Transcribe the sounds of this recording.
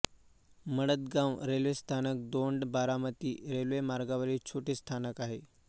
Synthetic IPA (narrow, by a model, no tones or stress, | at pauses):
məɽət̪ɡãʋɾelʋest̪ʰanək̚d̪oɳɖbaɾamət̪iːɾelʋemaɾɡaʋəɾiːt͡ɕʰoʈiːst̪ʰanəkaɦe